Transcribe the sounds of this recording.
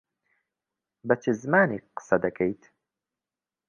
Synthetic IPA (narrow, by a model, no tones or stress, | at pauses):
bɐt͡ʃʰɨzɨmaːniːqɨ̥sɐd̪ɐkʰɛjt̪ʰ